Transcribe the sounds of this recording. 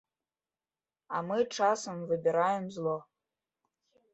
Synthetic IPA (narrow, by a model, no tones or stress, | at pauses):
amɨʈ͡ʂasɐmvɨbʲiɾajemzlˠo